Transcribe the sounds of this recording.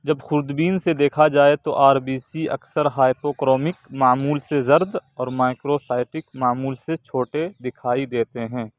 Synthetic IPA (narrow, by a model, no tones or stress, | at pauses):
d͡ʒɐbxʊɾd̪biːnsed̪eːkʰad͡ʒaːet̪oʔaːɾbiːsiɐ̰ksəɾɦaːɪpoːkɾɔːmɪkmaːmuːlsezɐɾd̪ɔːɾmaːɪkɾosaːɪʈɪkmaːmuːlset͡ʃʰoːʈed̪ɪkʰaːid̪eːt̪eɦɛ̃ː